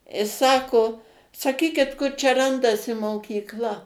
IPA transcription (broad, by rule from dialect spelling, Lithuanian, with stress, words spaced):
ɪ ˈsɑːkoː sɐˈkʲiːkʲɪt ˈkʊr t͡ʃʲɛ ˈrɐndɐsʲɪ moːkʲiːkˈlˠɐ